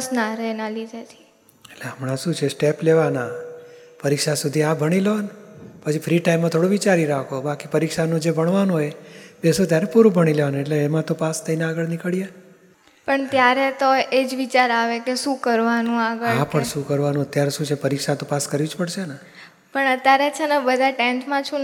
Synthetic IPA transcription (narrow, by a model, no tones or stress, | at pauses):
snaɾenalid̪ʱet̪ʰi̥ | eʈleəmɳaʃũt͡ʃʰesʈepleʋana | pəɾikʃasud̪ʱiabʱəɽ̃ileanpət͡ʃʰifʰɾiʈaimːãt̪ʰoɽoʋit͡ʃaɾiɾakʰobakipəɾikʃanũd͡ʒebʱəɳ̃ʋanũɦebesot̪jaɾepuɾũbʱəɽ̃ileʋañeʈleːmãt̪opast̪ʰəinaːɡəɭnikəɭija | pəɳt̪jaɾet̪oed͡ʒʋit͡ʃaɾaʋekeʃũkəɾʋanũaɡəapəɳʃũkəɾʋanũət̪jaɾeʃũt͡ʃʰepəɾikʃat̪opaskəɾʋid͡ʒpəɽʃena | pəɳət̪jaɾet͡ʃʰenebəd̪ʱaʈensmãt͡ʃʰũ